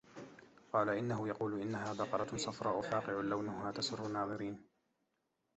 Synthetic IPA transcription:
qɑːlaʔɪnːaɦʊjɑquːlʔɪnːaɦaːðɑqɑɾˤɑt̪sˤɑfɾˤɑːʔʊfaːqɪʕʊlawnʊhaːt̪asʊrːʊnːɑːðˤɨɾiːn

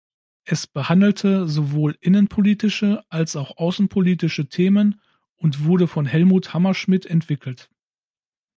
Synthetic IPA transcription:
ʔɛsb̥əhandl̩tʰəzovoːlʔɪnənpʰoliːtɪʃəʔalsaʊxʔaʊsn̩pʰoliːtɪʃətʰeːmən | ʔʊntv̥ʊɐɾəfɔnɦɛlmuːthamɐʃmɪtʰɛntv̥ɪkl̩t

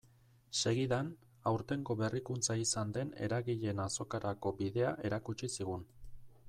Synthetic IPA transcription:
se̞ɣiðan | awɾt̪e̞ŋɡo̞βe̞rikunt͡saisand̪e̞ne̞̰ɾaɣiʎe̞naso̞kaɾako̞biðe̞aʔe̞ɾakut͡ʃisiɣ̞un

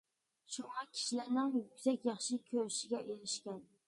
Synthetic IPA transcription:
ʃʊŋɑkʲʰɪ̥ʃlaɾnɪŋjʊkʲsakʲjɑχʃɪkʲʰɵɾɪʃɪɡʲaʔeɾɪʃkʲan

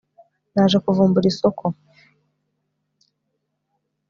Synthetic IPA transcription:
naːʒekuvuːmbuɾiso̞kʰo

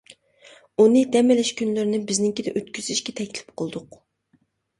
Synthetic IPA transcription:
unɨd̪ɛmɪlɪʃkʲʰynlɪɾɪnɪbɪznɪŋkʲid̪ɛʔøt̪kʲyz̥ɪʃkʲɛt̪ʰɛkʲlɪ̥p̚qʰolˠd̪ʊq

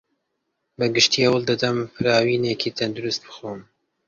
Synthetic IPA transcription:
bəɡɨʃt̪iːhɐwəld̪ɐd̪ɐmfɨɾɑːwiːneːkʰiːt̪ʰɐnd̪uɾust̪̚bɨ̥xoːm

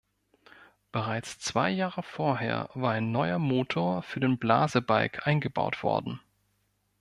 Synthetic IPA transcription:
b̥əʁaɪt͡st͡sv̥aɪjaːʁəfoːɐɦḛːɐvaːɐaɪnːɔʏɐmoːtʰoːɐfyːɐdeːnbla̰ːzəbaɪkʰʔaɪnɡəba̰ʊtv̥ɔ̰ɐdn̩

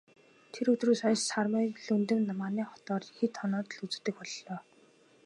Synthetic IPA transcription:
t̪ʰeɾɵt̪ruːsɔjssarməːɮɵnt̪ɘ̆mnamaːniːχɔt̪ɔːrxet̪ʰːɔnɔːt̪̆ɮut͡s̆ːt̪ːɘ̆k̚pɔɮːɔː

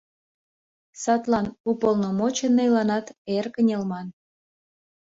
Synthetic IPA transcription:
sɑt̪lɑnupəlnomot͡ɕenːɤjlɑnɑt̪erkənʲelmɑn

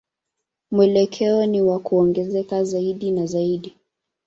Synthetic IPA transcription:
muɛlɛkʰɛɔniwakuɔŋɡɛzɛkazaiɗinazaiɗi

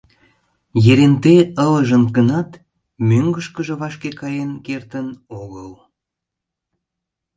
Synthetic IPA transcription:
jeɾent̪eələʒənkənɑt̪ | møŋɡəʃkəʒə̆βɑʃkekɑjenkert̪ənoɣəl

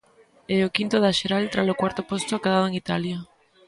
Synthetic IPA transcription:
ɛokint̪oðaʃeɾalt̪ɾalokwaɾt̪opost̪ʊakaðaðoeŋit̪alja

